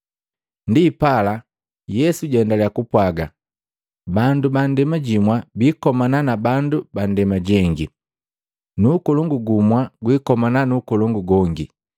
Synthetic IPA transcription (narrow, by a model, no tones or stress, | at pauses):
ndipala | jɛsuɟɛndalɛakupwaɡa | bandubandɛmaɟimwabiːkɔmananabanduban̩dɛmaɟɛŋɡi | nuːkɔlɔŋɡuɡumwaɡwikɔmananukɔlɔŋɡuɡɔŋɡi